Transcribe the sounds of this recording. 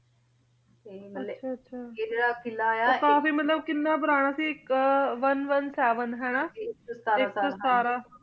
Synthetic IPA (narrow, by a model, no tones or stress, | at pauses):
ɐʃʰaːɐtːʃʰaːeɾapʰɪlajakãːfiːmət̪ləbkɪnːaːbəɾaːɽ̃aːsiɪkʋənʋənsɛːʋənɦɛːɽaːaɪkəsaːɾaː